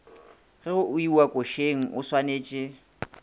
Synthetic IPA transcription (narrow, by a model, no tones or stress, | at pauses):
ɣɛɣʊʔʊiwakʼoʃeŋ̩ʔʊswaneːt͡ʃʼɪ